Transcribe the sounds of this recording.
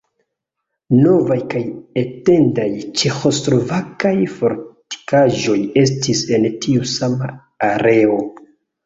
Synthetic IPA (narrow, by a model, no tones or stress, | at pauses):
no̞vajkaje̞te̞ndajt͡ʃe̞xo̞slo̞vakajfo̞ɾti̥kaʒo̞je̞s̬tise̞ntʰiusama̰ː | ɾe̞o̞